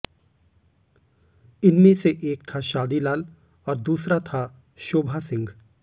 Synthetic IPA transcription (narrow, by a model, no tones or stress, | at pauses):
ɪnmẽseʔeːk̚t̪ʰaʃaːd̪ilaːl | ɔːɾd̪uːsɾat̪ʰa | ʃoːbʱasɪ̃ŋɡ